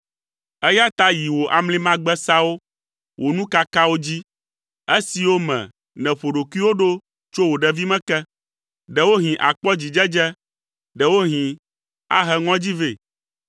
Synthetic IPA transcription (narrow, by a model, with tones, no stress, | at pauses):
ɛ˦ja˦t̪a˦ji˨wo˨ʔa˨mlĩ˦mã˦ɡ͡bɛ˦sa˦wo˦ | wʔo˨nũ˦ka˦ka˦wo˦d͡ʑi˦ | e˦si˨wo˦mɛ̰̃˨ | nɛ̃˨ɸo˨ɖo˨kwi˦wo˦ɖo˦ | t͡ʃo˦wo˨ɖɛ˨vi˦mɛ̃˦kɛ˦ | ɖɛ˨wo˦ɦĩ˨ʔa̰˨k͡pɔ˦d͡ʑi˨d͡ʒɛ˦d͡ʒɛ˦ | ɖɛ˨wo˦ɦĩ˨ | a̰˦ɦɛ˦ŋɔ̃˦d͡ʑi˦ve˦˨